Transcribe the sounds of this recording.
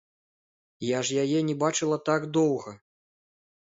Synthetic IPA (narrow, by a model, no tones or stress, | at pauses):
jaʐjajɛnʲɛbat͡ʂɨlˠɐt̪aɡd̪ɔwɣɐ